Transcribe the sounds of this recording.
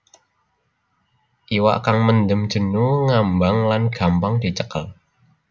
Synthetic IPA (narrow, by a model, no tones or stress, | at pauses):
ʔiwa̰ʔkaŋmənd̪əm̥d͡ʒ̥ə̤nuŋambaŋlanɡ̥a̤mpaŋd̥i̤t͡ʃəkəl